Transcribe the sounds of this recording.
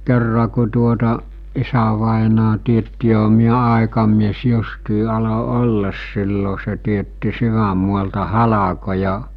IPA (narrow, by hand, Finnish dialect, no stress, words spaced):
kerːɑ ku tuotɑ isæʋɑˑenɑː tietːi joɦɑ̥ miæ ɑˑekɑmies justiː ɑlo olːɑs silːo se tietːi syʋæmˑuɑltɑ hɑlɑkojɑ